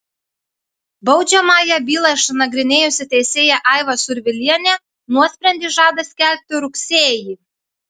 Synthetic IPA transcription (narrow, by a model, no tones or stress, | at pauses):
bɒʊd͡ʒʲɛmɑːjɛbʲiːlˠɑɪʃnɐɡɾʲɪnʲeːjʊsʲɪt̪ʲɛɪsʲeːjɛʔɑˑɪʋɐsʊɾʲʋʲɪlʲiɛnʲɛ | nuɔsʲpʲɾʲɛnd̪ʲiːʒɑːd̪ɐsʲkʲæˑlʲp̚ʲt̪ʲɪɾʊksʲeːji